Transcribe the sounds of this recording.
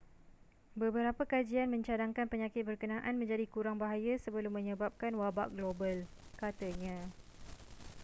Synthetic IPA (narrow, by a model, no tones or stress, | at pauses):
bəbəɾapəkad͡ʒianmə̃ɲt͡ʃadaŋkanpəɲakɪt̪̚bərkənãʔanmə̃ɲd͡ʒadikuɾaŋbaɦajasəbəlʊmːə̃ɲə̃bap̚kanwaba̰ʔɡlobalkat̪əɲã